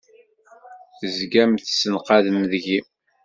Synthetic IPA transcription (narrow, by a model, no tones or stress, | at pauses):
θəzɡæmθsənqɑðəmðʝi